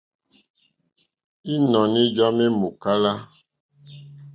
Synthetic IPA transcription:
i˦nɔ̃˨nĩ˦d͡ʒa˦me˦mo˨ka˦la˦

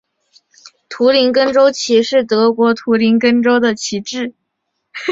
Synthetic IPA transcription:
t̪ʰu˧˥li˧˥nkə˥nʈ͡ʂo˥ʊt͡ɕʰi˧˥ʂɻ̩˥˩t̪ɤ˧˥kwɔ˧˥t̪ʰu˧˥li˧˥nkə˥nʈ͡ʂo˥ʊd̪ə˨t͡ɕʰi˧˥ʈ͡ʂɻ̩˥˩

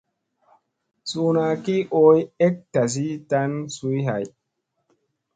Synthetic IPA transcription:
su˨na˨ki˦ʔo˦je˦k̚ta˨s̬i˦ta˦nsu˦jɦa̰˨j

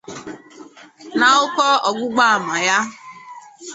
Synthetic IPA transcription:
na˨ʊ˦kɔ˦ɔ˨ɡʷʊ˦ɡ͡ba˦a˨ma˨ja˦

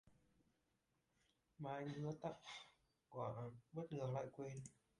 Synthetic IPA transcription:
maː˨˩ʔa˧jŋ̟ʔɨ˧ət̪a˦˧˥p̚ | kwa˧˩ʔnɓə˦˥t̚ŋɨ˨˩ə˩k̚la̰ː˧˨jkwe˧n

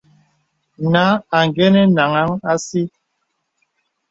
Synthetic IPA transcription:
na˨˦a˨ŋ˨ɡɛ˦nɛ˦na˨ŋa˦ŋa˦si˦

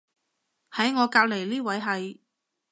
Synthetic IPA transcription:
hɐ˨˥jŋɔː˨˧kaː˧k̚le˨˩jliː˥wɐ˨˥jɦɐ˨j

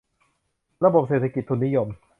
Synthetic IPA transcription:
ɾa˧bo˨˩p̚seː˨˩t̪ʰa˧ki˨˩t̪ʰːu˧nːi˦˥jo˧m

